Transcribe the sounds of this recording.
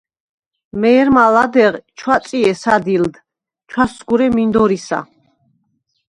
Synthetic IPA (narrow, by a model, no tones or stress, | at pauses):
mɛːɾmalad̪ɛʁt͡ʃʰwat̪sʼiɛsad̪ild̪ | t͡ʃʰwasɡuɾɛmind̪ɔɾisa̰